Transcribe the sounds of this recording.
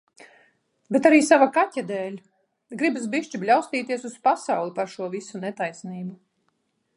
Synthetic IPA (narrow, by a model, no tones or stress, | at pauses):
bet̪aɾiːsavakatʲad̪ɛːlʲ | ɡɾibasbiʃt͡ʃiblʲawst̪iːt̪iɛsuspasawlˠipaɾʃuɔvisunɛt̪ajsniːbu